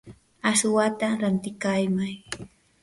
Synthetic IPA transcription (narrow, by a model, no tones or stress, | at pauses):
asʊwat̪aɾant̪ɪkajmaj